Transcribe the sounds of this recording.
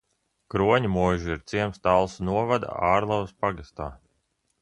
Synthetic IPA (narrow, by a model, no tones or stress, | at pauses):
kɾuɔɲimuɔʒuiɾt̪siɛmst̪alˠsnuɔvad̪a̰aːɾlˠavspaɡast̪aː